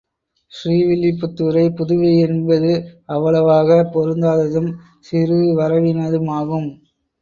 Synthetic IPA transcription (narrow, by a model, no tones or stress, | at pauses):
ʃriːʋɪlːɪp̬ːʊt̪ːɯɾɐɪpʊðʊʋɐɪɛnbɐðɯɐʋːɐɭɐʋaːɣɐpɔɾɯnd̪aːðɐðɯm | sɪɾɯʋɐɾɐʋɪnɐðɯmaːɣɯm